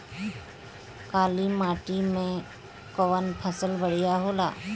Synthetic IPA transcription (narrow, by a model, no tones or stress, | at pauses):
kaːlimaːʈimẽ | koʋənpʰəsəlbəɽ̤ijaɦoːla̰ː